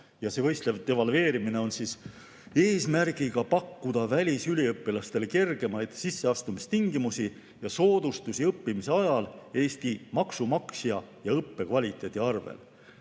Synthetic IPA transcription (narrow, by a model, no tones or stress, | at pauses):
jɑsevɤ̞jst̪levt̪evɑlve̞ːɾimine̞o̞nsis | e̞ːsmærɡ̥iɡ̥ɑpɑkːud̪̥ɑvælʲisylʲiɤpːilɑst̪e̞lke̞rɡ̥e̞mɑjd̪̥sisːe̞ɑst̪umist̪iŋɡimusi | jɑso̞ːd̪̥ust̪usiɤpːimise̞ɑjɑle̞ːst̪imɑksumɑksjɑjɑɤpːe̞kvɑlʲit̪ːˑe̞t̪ʲiɑrvḛl